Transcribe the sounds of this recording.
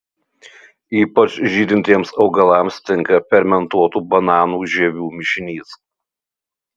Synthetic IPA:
iːpɐt͡ʃʒʲiːd̪ʲɪnʲt̪ʲiɛmsɒʊɡɐlˠɐˑmst̪ʲɪŋkɐpʲɛɾʲmʲɛnt̪uɔt̪uːbɐnɑːnuːʒʲɛʋʲuːmʲɪʃʲɪnʲiːs

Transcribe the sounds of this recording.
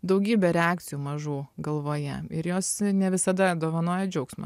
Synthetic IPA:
d̪ɐʊɡʲiːbʲɛɾʲɛɑːk̚t̪sʲɪjuːmɐʒuːɡɐlˠʋoːjɛɪɾjoːsnʲɛʋʲɪsɐd̪ɐd̪oːʋɐnoːjɛd͡ʒʲɛʊksmɐ̰

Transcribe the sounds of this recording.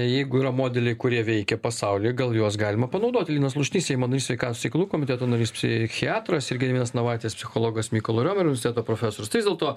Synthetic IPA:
jɛɪɡʊiːɾɐmoːd̪ʲɛlʲɛɪkʊɾʲiɛʋʲɛɪkʲɛpɐsɐʊlʲɪːɡɐlˠjuɔsɡɑːlʲɪmɐpɐnɐʊd̪oːt̪ʲɪlʲiːnɐs̬lˠʊʃʲnʲiːsʲɛɪmɐnɐɾʲisʋʲɛɪkɑːt̪osʲɛɪkɐlˠuːkoːmʲɪt̪ʲæːt̪oːnɐɾʲiːspʲsʲɪxʲɪɑːt̪ɾɐsɪɾʲɡʲɪd̪ʲʋiɛnɐsnɐʋɑːt̪ʲespʲsʲɪxoːlˠoːɡɐsmʲiːkolˠoɾʲoːmʲɛɾʊnʲʋʲsʲt̪ʲɛːt̪oːpɾoːfʲæːsoːɾʲɪst̪ɐɪʋɪzdʲɛlˠt̪oː

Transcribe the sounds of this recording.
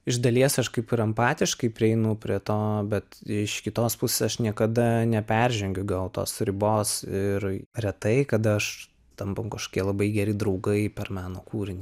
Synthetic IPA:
ɪʒd̪ɐlʲiɛsɐʃkɐɪpɪɾɐmpɑːt̪ʲɪʃkɐɪpʲɾʲɪɛɪnʊpʲɾʲiɛt̪oːbʲɛt̪ɪʃkʲɪt̪oːspʊsʲeːsɐʃnʲiɛkɐd̪ɐnʲɛpʲɛɾʲʒʲɛŋʲɡʲʊɡɐlˠt̪o̰ːsɾʲɪboːsɪɾrʲɛt̪ɐɪkɐd̪ɐɐʃ | t̪ɐmpɐmkɐʃkoːkʲiɛlˠɐbɐɪɡʲɛɾʲɪd̪ɾɐʊɡɐɪpʲɛrmɑːnoːkuːɾʲɪnʲi

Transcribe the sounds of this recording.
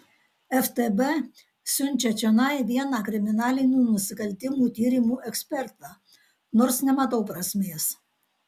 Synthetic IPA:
ɛft̪ebɛ | sʲʊnʲt͡ʃʲɛt͡ʃʲɛnɐˑɪʋʲiɛnɑːkɾʲɪmʲɪnɑːlʲɪnʲuːnʊsʲɪkɐlʲt̪ʲɪmuːt̪ʲiːɾʲɪmuːʔɛksʲpʲɛɾt̪ɑː | noːɾsnʲɛmɐt̪ɐʊpɾɐsʲmʲeːs

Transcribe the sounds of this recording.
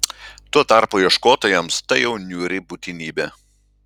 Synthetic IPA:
t̪uɔt̪ɑˑɾpuːiɛʃkoːt̪oːjɛmst̪ɐɪjɛʊnʲuːɾʲɪbuːt̪ʲɪnʲiːbʲɛ

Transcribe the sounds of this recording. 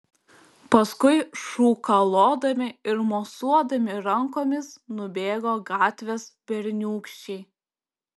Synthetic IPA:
pɐskʊɪʃuːkɐlˠoːd̪ɐmʲɪɪɾmoːsuɔd̪ɐmʲɪɾɐŋkoːmʲɪsnʊbʲeːɡoːɡɑːt̪ʲʋʲespʲɛɾʲnʲuːkʃʲt͡ʃʲɛɪ

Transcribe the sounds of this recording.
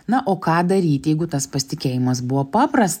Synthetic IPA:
nɐʔoːkɑːd̪ɐɾʲiːt̪ʲjɛɪɡʊt̪ɐspɐsʲɪt̪ʲɪkʲeːjɪmɐs̬bʊʋopɑːpɾɐst̪

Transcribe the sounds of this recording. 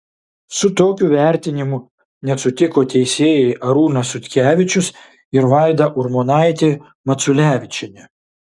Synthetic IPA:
sʊt̪oːkʲuːʋʲæˑɾʲt̪ʲɪnʲɪmʊ | nʲɛsʊt̪ʲɪkoːt̪ʲɛɪsʲeːjɛɪʔɐɾuːnɐsʊt̪ʲkʲæːʋʲɪt͡ʃʲʊs | ɪɾʋɑˑɪd̪ɐʔʊɾmoːnɑˑɪt̪ʲe | mɐt̪sʊlʲæːʋʲɪt͡ʃʲɛnʲɛ

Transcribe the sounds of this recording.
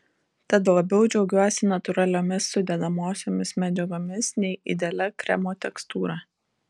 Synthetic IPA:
t̪ɐt̪lˠɐbʲɛʊd͡ʒʲɛʊɡʲuɔsʲɪnɐt̪ʊɾɐlʲoːmʲɪsːʊd̪ʲɛd̪ɐmoːsʲoːmʲɪsmʲɛd͡ʒʲɛɡoːmʲɪsnʲɛɪʔɪd̪ʲeːlʲɛkɾʲɛ̰moːt̪ʲɛkst̪uːɾɑː

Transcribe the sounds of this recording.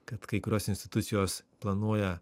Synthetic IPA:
kɐt̪kɐɪkʊɾʲoːsɪnsʲt̪ʲɪ̥t̪ʊt̪sʲɪjoːsplˠɐnuɔjɛ

